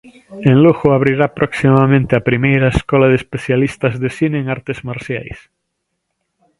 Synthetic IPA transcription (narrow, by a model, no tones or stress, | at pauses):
ẽnluxoaβɾiɾapɾʔoksimamẽnt̪eapɾimejɾaeskɔlaðespeθjalist̪azðesineːŋaɾt̪ezmaɾsja̰js